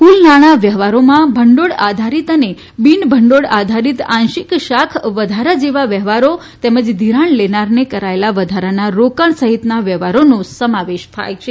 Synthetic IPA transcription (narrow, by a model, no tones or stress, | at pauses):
kulnaɽ̃aʋjəɦʋaɾomãbʱəɳɖoɽad̪ʱaɾit̪əne | binbʱəɳɖoɽad̪ʱaɾit̪ãnʃikʃakʰʋəd̪ʱaɾad͡ʒeʋaʋjəɦʋaɾo | t̪ɛməd͡ʒd̪ʱiɾaɳlenaɾnekəɾaelaʋəd̪ʱaɾanaɾokaɳsəɦit̪naʋjəɦʋaɾonũsəmaʋeʃt̪ʰa̰jt͡ʃʰe